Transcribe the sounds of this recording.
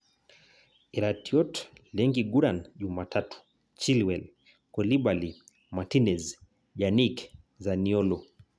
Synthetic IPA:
iɾatiɔtlɛŋɡiɡuɾanʄumatʰatu̥ | t͡ʃilwɛl | kɔliɓali | matinɛz | ʄanik | zaniɔlɔ

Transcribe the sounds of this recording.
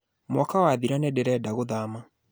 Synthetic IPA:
mɔkawaːðiɾanɛdɛɾɛːdaɣoðaːma

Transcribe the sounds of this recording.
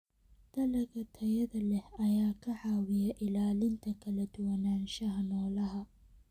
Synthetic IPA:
d̪̥ɐlɐɣɐt̪ʰɐjɐðɐlɛhɐjaːkʰɐʕɑːwɪjɐʔɪlaːlɪnt̪ʰɐkʰɐlɐd̪ʊwɐnaːnʃɐɦɐnɔːlɐɦɐ

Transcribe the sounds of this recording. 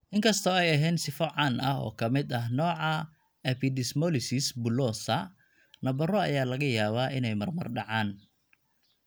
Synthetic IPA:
ʔɪŋkʰɐst̪ʰɔɛjɐɦɛːnsɪfɔʕɑnɐɦɔ̰ːkʰɐmɪd̪ɐɦnɔːʕɑ | ɛpʰɪd̪ɪsmɔlɪsɪsbʊlɔːsɐ | nɐbɐrɔɐ̰jaːlɐɣɐjaːβaːʔɪnɛjmɐrmɐrɖɑʕaːn

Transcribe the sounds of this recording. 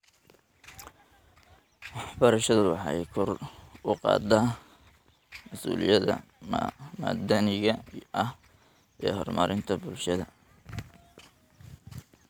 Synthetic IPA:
wɑħbɐɾɐʃɐðʊwɑħɑjkʰɔrʊqɑ̰ːd̪a | mɐsṵːlɪjɐðɐ̰ | maːd̪ɐnɪɣɐɐh | ʔɛːhɔrmɑ̰ːɾʔɪnt̪ʰɐbʊlʃɐðɐ

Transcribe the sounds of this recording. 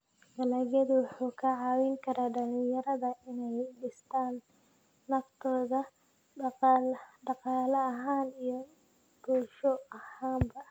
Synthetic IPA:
ɡɐlɐːɣɐd̪wʊħuːkʰɐʕɑːwiŋkʰɐɾaːɖɐlɪjɐɾɐðɐɪnɛjɖɪst̪ʰaːnː | ɐft̪ʰɔːðɐ | ɖɑqɑːlɐːɦaːnijɞ | b̥uʃɔɐhaːmbɐ

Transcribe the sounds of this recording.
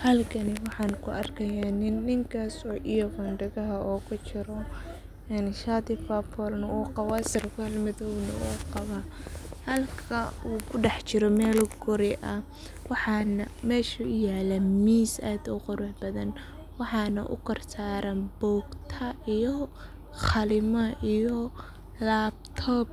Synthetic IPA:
hɐlkʰɐnɪwɑħɑːnkʰʊʔɐrkʰɐjaːnɪnːɪŋkʰaːsɔːʔijɔfɐnɖɐɣɐɦɐʔɔːkʰʊt͡ʃɪɾɔ | ɛnʃaːd̪ɪfapʰɔlnɐuːqɑwaːsɪrkʰʊhɐlmɪðɔwnɐ̰ʔuːqɑβahɐlkʰɐuːkʰʊɖɑħt͡ʃɪɾɔmɛːlɡɔɾɪʔɐ | wɑħɑːnɐmɛːʃuʊjaːlɛmiːsaːd̪ʊqʊɾʊħbɐðɐn | wɑħɑːnɐʔʊ̰kɐrsaːɾɐnbɔːɡt̪ʰɐijɔ | χɑlɪmɐʔijɔ | laːbt̪ʰɔːb̚

